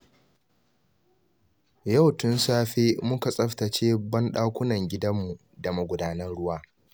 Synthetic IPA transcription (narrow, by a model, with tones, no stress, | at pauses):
ja˦˨wtʊ˦nsaː˦ɸeː˦mʊ˦ka˨sʼɐ˦ɸtɐ˨t͡ʃeː˦bɐ˦nɗaː˦kʷʊ˦nɐ˨ŋɡʲɪ˦dɐ˦mːu˨ | da˨mɐ˦ɡʷʊ˨daː˦nɐ˦nɽʊ˦waː˦